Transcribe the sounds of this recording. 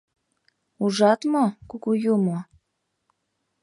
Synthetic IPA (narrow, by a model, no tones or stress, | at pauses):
uʒɑt̪mokukujumo